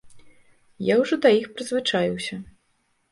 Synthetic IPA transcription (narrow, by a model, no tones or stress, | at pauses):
jawʐɔd̪ɐjixpɾɨzvɨt͡ʂajuwsʲɐ